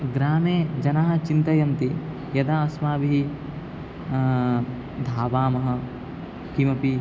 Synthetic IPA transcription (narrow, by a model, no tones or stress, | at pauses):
ɡɾaːmeːd͡ʒɐnaːɦɐ̆t͡ʃint̪ɐjɐmt̪i | jɐd̪aːɐsmaːbiɦi | d̪ʱaːʋaːmɐɦɐ̆ | kimɐpi